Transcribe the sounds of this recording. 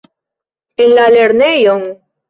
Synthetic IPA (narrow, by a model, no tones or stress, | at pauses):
elaleɾnejoŋ